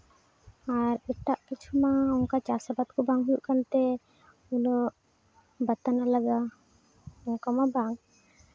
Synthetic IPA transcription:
aɾɛʈaʔkit͡ʃʰumaɔŋkat͡ʃasabat̪̚kɔbaŋɦujuʔkant̪ɛ | ulɔʔ | bat̪analaɡa | ɔŋkamabaŋ

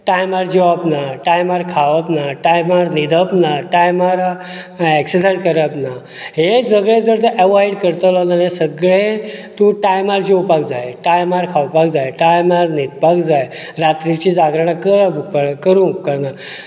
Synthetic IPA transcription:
ʈajmaɾd͡ʑeʋapnaʈajmaɾkʰaʋapnaʈajmaɾnid̪ʱəpnaʈajmaɾ | ɛksesajzkəɾapna | ɦed͡zəɡɭẽd͡zəɾt̪əʔɛʋajɽkəɾt̪əlɔlanesəɡɭet̪uʈajmaɾd͡ʑewpakd͡zajʈajmaɾkʰawpakd͡zajeʈajmaɾnid̪pakd͡zaj | ɾat̪ɾit͡ɕid͡zaɡɾaɳ̃akəɾabupəkəɾũkːəɾna

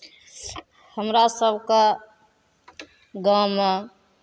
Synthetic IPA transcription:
həmɾasəbʱke | ɡawme

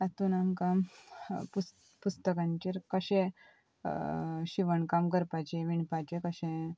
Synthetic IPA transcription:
at̪unamkampu | pust̪əkãɲt͡ɕeɾkəɕẽ | ɕiʋəɳkamkəɾpajt͡ɕẽʋiɳpajt͡ɕekəɕẽ

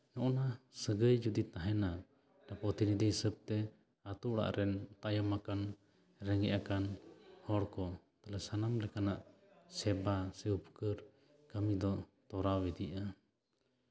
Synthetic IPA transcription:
nɔʔɔnasəɡəjd͡ʒud̪it̪aɦɛna | ɖapɾɔt̪inid̪isəb̚t̪ɛ | at̪uʔɽa̰ʔɾʔɛnt̪ajɔmakan | ɾɛŋɡɛʔakanhɔɽkɔ | t̪alɛsanamɾɛkanaʔ | sɛbasəupkəɾ | kəmid̪ɔt̪ɔɾawɛd̪iʔa

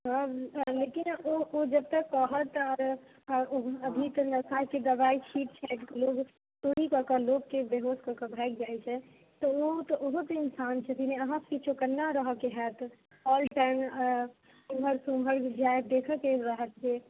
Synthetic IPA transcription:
ɦãlekinood͡ʒəb̚t̪əkːəɦət̪ɔɾ | oəbʱit̪ənəsaked̪əbait͡ʃʰiʈ̚t͡ʃʰɛt̪keloɡ | t̪oɽikəɾkəloɡkebeɦoskəɾkəbʱɛkd͡ʒajt͡ʃʰɛ | t̪ɔot̪ɔʔoɦot̪ɪnsant͡ʃʰɛt̪inɛəɦãskit͡ʃʰokənːaɾəɦəkeɦɛt̪ | ɔlʈaɪm | suməɾsumʱəɾd͡ʒajd̪ekʰəkeɾəɦət̪ɦe

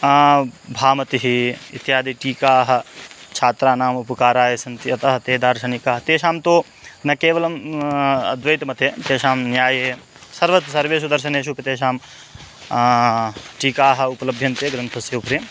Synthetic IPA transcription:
bʱaːmɐt̪iɦiḭt̪jaːd̪iʈiːkaːɦɐ̆t͡ʃʰaːt̪ɾaːnaːmupɐkaːɾaːjesɐnt̪iɐt̪ɐɦɐ̆t̪eːd̪aːɾʃɐnikaːɦt̪eːʃaːmt̪oː | nɐkeːʋɐlɐm | ɐd̪ʋɐjt̪mɐt̪eːt̪eːʃaːmnjaːjeː | sɐɾʋɐt̪sɐɾʋeːs̬ud̪ɐɾʃɐneːʃ̬upɐt̪eːʃaːm | ʈiːkaːɦɐ̆upɐlɐbʱjɐnt̪eːɡɾɐnt̪ʰɐsjeupɾiːm

